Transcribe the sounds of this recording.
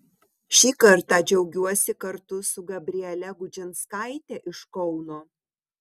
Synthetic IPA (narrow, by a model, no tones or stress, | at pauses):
ʃʲiːkɐɾt̪ɑːd͡ʒʲɛʊɡʲuɔsʲɪkɐɾt̪ʊsʊɡɐbʲɾʲiɛlʲɛɡʊd͡ʒʲɪnskɑˑɪt̪ʲɛʔɪʃkɔʊnoː